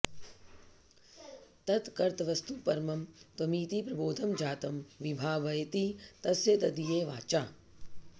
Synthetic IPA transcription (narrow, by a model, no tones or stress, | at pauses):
t̪ɐt̪kɐɾt̪ɐʋɐst̪upɐɾmɐmt̪ʋɐmiːt̪ipɾɐboːd̪ʱɐmd͡ʒaːt̪ɐmʋibʱaːʋɐjɐt̪it̪ɐsjɐt̪ɐd̪ijeːʋaːt͡ʃaː